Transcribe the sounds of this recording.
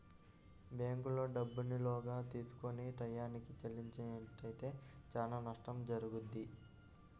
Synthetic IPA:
beːŋkulo̞ːɖɐbːunilɔːɡaːt̪iːsu̥koniʈɐjːaːnikit͡ʃɐlːiɲt͡ʃɐʈɐjt̪e̞ːt͡ʃaːnaːnɐʂʈɐmd͡ʒɐɾuɡund̪ːi

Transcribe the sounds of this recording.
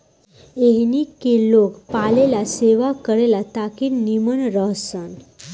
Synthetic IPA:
eɦnikːelokpalelaseʋakəɾelat̪akinnimənɾəɦsən

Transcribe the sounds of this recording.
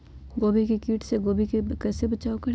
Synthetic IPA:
ɡoːbikikiːʈseɡoːbikekɛːsebɐt͡ʃaːokɐɾ

